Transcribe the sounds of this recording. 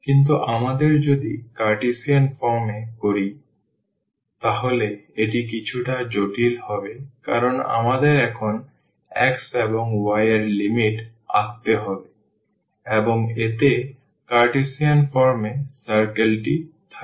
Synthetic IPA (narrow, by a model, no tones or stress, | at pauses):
kint̪̬uʔamad̪eɾd͡ʑod̪ikaɾʈisianfɔɾmekoɾi | t̪aɦoleeʈikit͡ɕʰuʈad͡ʑoʈilhɔbeka̰ɾona̰mad̪eɾɛkʰon | ɛkseboŋwajaɾlimiʈa̰k̚t̪eɦɔbe | eboŋet̪e | kaɾʈesianfɔɾmesaɾkelʈit̪ʰa